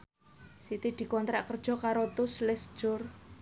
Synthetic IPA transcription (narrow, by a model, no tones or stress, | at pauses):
sit̪id̪̥i̤kɔnt̪ɾaʔkərd̥ʒ̥ɔ̤kaɾot̪ʊslɪsd̥ʒ̥ʊr